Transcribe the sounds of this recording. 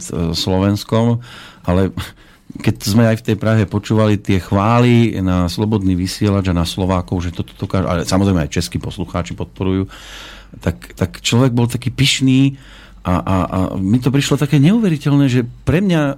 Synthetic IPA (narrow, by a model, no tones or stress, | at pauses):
t̪slɔʋɛnskɔmʔalɛ | kɛczmɛajft̪ɛjpɾaɦɛpɔt͡ʃuːʋalit̪ɪɛxʋaːlinaslɔbɔd̪niːʋisɪɛlad͡ʒanaslɔʋaːkɔʊʒɛt̪ɔt̪ɔ̥d̪̥ɔkaːʒuʔa̰lɛsamɔzɾɛjmɛajt͡ʃɛskiːpɔsluxaːt͡ʃipɔt̪̚pɔɾujuː | t̪akt̪akt͡ʃlɔʋɛɡ̚bɔlt̪akiːpiʃniː | ʔaʔa̰a̰mit̪̬ɔpɾiʃlɔt̪akɛːɲɛuːʋɛɾicɛlnɛːʒɛpɾɛmɲa